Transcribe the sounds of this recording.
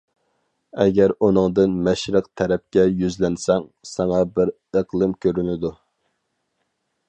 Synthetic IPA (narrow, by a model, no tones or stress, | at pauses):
ɛɡʲæɾunɨŋd̪ɨnmɛʃɾəq̚t̪ʰɛɾɛp̚kʲɛjyzlɛnsɛŋsɑŋɑbɪɾ | əqlˠɨmkʲʰøɾynɪd̪u